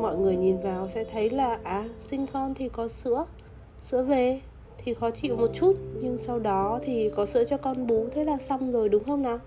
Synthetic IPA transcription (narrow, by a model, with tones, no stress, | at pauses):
mɔ̰˧˨jŋɨ˨˩əjɲi˨˩nvaː˨˩wsɛ̰˧˥t̪ʰə˨˦jlaː˨˩ʔaː˨˩sï˧ŋ̟kɔ˧nt̪ʰi˨˩kɔ˨˦sɨ̰˧˥ə | sɨ̰˧˥əve˨˩ | t̪ʰi˨˩xɔ˨˦t͡ɕḭ˧˨wmo˨˩t̚t͡ɕu˦˥t̚ɲɨ˧ŋsa˧wɗɔ˨˦t̪ʰi˨˩kɔ˨˦sɨ̰˧˥ət͡ɕɔ˧kɔ˧nɓu˨˦t̪ʰe˨˦laː˨˩sa˧wŋ͡mzo˨˩jɗʊ˨˦ŋ͡mxə˧wŋ͡mna˨˦